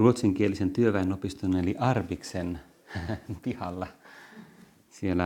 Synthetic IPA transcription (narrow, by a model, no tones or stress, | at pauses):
ruot̪siŋkielisent̪yøʋæenopist̪uneeliʔɑrʋiksen | pihɑlːɑ | sielːæ